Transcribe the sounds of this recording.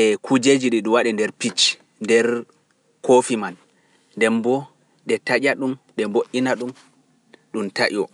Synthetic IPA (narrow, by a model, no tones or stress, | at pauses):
ʔɛkʰud͡ʒed͡ʒiɗiɗuwaɗɛndɛɾpit͡ʃ | ndɛɾ | kʰofimanː | dɛmbɔ | ɗɛtad͡ʒʲaɗumɗɛmboʔːinaɗum | ɗumtaʔɔ